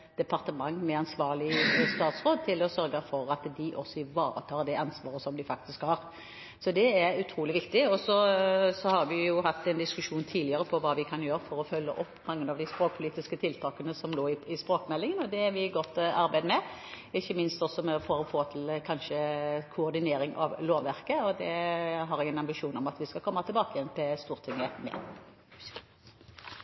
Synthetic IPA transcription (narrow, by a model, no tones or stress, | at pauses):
d̪̥ɛpʰɑʁt̪əmɑŋːmɛɑnsʋɑːʁlɪst̪ɑːt̪sɾoːd̪̚t̪ʰɪlɔsœɾɡəfɔɾɑt̪d̪ɪʔɔsːɔɪʋɑːɾə̰t̪ʰɑːɾd̪ɛɑnsʋɑːɾəsɔmd̪ɪfɑk̚t̪ɪskhɑːɾ | sɔd̪ɛɛɾʉt̪ʰɾuːlɪʋɪkt̪ɪɔsɔsɔhɑɾʋɪjʊɦɑt̪ːɛnd̪ɪskʉʃuːnt̪ʰiːlɪəɾəpʰɔʋɑːʋɪkʰɑnjøːɾəfɔɾɔfœlːə̰ʔɔpːmɑŋːənɑʋd̪æɪspɾoːk̚pʰʊliːt̪ɪskət̪ʰɪlt̪ʰɑːkənəsɔmloːɪɪspɾoːkmɛlːɪŋənɔd̪ɛæɾʋɪɡɔt̪ːɑɾbæɪd̪mɛ | ɪçːəmɪnst̪ɔsɔmɛfɔɾɔfoːt̪ʰɪlkʰɑnʃəkʰʊɔɾd̪ɪneːɾɪŋʔɑ̰ʋloːʋːæʁkəɔd̪ɛɦɑɾɛɡɛnɑmbɪʂuːnɔmɑt̪ʋɪskɑlkʰɔmːɑt̪ʰɪlbɑːkəjɛnp̪ʰɛst̪uːʁt̪ʰɪŋəmɛ̰